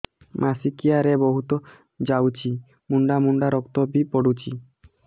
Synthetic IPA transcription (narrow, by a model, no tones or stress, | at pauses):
mʔasikiaɾeboɦut̪o | d͡ʑawt͡ɕʰi | muɳɖamuɳɖaɾɔkt̪obipoɽut͡ɕi